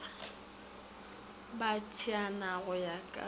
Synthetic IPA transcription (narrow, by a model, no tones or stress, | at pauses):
batʰianaɣʊjakʼa̰